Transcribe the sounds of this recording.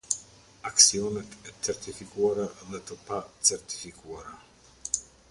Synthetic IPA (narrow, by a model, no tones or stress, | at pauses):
aksiɔnɛt̪ɛt͡sɛɾt̪ifikuaɾaðɛt̪əpat͡sɛɾt̪i̥fikʰuaɾa